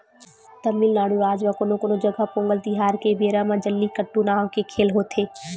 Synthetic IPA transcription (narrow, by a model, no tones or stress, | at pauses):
t̪ɐmiːlnaːɽuɾaːd͡ʒʋãkonõkonõd͡ʒɐɡapõːŋɡəlt̪iɦaːɾkebeːɾamãd͡ʒɐlːikɐʈːunaːʋkekʰeːlɦoːt̪ʰeː